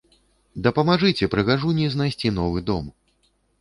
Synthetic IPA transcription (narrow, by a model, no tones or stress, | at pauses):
d̪ɐpɐmaʐɨt͡sʲɛpɾɨɣaʐunʲiznajsʲt͡sʲinɔvɨd̪ɔm